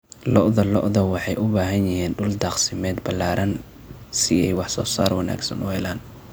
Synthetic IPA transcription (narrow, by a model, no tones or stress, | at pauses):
lɔ̰ʔðɐlɔ̰ʔðɐwɑħɑjʔʊbaːɦɐnjɪɦiːnɖʊld̪ɑːqsɪmɛːd̪bɐlaːɾɐn | sɪɛjwɑħsɔːsa̰ːrwɑna̰ːɡsɐ̰nʊhɛlaːn